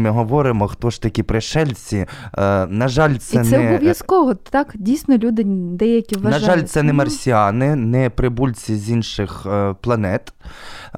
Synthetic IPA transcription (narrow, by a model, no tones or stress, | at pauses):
mɪɦɔʋɔɾɪmɔxt̪ɔʃt̪ɐkʲipɾɪʃɛlʲt͡sʲi | nɐʒɑlʲt̪sɛnsɛɔɛbɔʋʲjɐskɔʋɔɑkdʲijsnɔlʲud̪ɪd̪ɛjɐkʲiʋʋɐnʒɐʒɑlʲsɛnɛmɐrsʲiɑnɪnɛpɾɪbulʲt͡sʲizʲinʃɪxplˠɐnɛt̪